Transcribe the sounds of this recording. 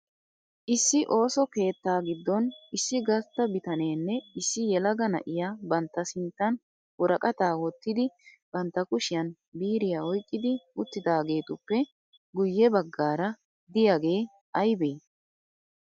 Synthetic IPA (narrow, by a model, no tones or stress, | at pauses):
ʔɪsːɪʔo̞ːsɔke̞ːt̪ːaːɡɪd̪ːɔnɪsːɪɡɐɾt̪ːɐbɪt̪ɐne̞ːnːɛɪsːɪjɛlɐɡɐnɐ̰ʔɪjaːbɐnt̪ːɐsɪnt̪ːɐn | wɔɾɐkʼɐt̪aːwɔt̪ːɪd̪ɪ | b̥ɐnt̪ːɐkʊʃɪjɐn | biːɾɪjaːɔjkʼːɪd̪ɪʊt̪ːɪd̪aːɡe̞ːt̪ʊpːɛ | ɡʊjːɛbɐɡːaːɾɐ | d̪ɪjaɡe̞ː | ʔɐjbeː